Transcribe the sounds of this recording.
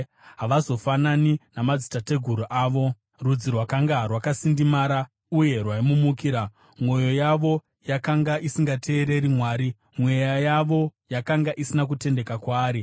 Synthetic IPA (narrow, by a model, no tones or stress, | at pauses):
ɦaʋazo̞fananinamad͡zitate̞ɡʱuɾuʔaːʋo̞ | rud͡zirwakaŋɡarwakasindimaːɾa | uje̞rwaimumukiːɾa | mwo̞jo̞jaʋo̞ | jakaŋɡaʔisiŋɡatʰe̞ːɾe̞ɾimwaːɾi | mwe̞jajaʋo̞jakaŋɡaʔisinak̬ute̞nde̞kakwaːɾi